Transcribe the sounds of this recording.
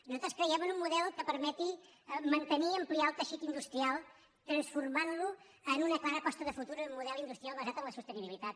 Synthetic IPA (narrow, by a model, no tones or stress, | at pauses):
nuzat̪ɾəskɾəjɛmənumːuðɛlˠkəpəɾmɛt̪imənt̪əniəmplialˠt̪əʃit̪ind̪ust̪ɾialˠ | t̪ɾənsfurmanlu | ənunəklˠaɾəpɔst̪əðəfut̪uɾumːuðɛlind̪ust̪ɾialˠβəzat̪əmləsust̪əniβilit̪at̪